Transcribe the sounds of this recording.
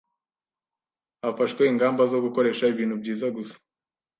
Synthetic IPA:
afaʃweiŋɡaːmbazo̞ɡuko̞ɾe̞ːʃaiβiːnhubɟiːzaɡusḁ

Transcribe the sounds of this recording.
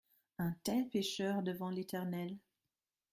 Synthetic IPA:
ɛ̃t̪ɛlpeʃœʁd̪əvɑ̃let̪ɛʁnɛl

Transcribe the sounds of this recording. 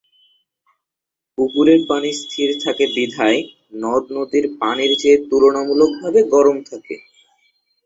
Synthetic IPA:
pukuɾeɾpanist̪ʰiɾt̪ʰakebid̪ʱae | nɔd̪nod̪iɾpaniɾt͡ɕet̪uɾonamulok̚bʱabeɡɔɾomt̪ʰakḛ

